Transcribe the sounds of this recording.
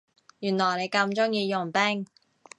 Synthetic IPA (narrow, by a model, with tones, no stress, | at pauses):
jyː˨˩nlɔː˨˩jne˨˧jkɐ˧mt͡ʃʊ˥ŋjiː˧jʊ˨˩ŋpɛː˥ŋ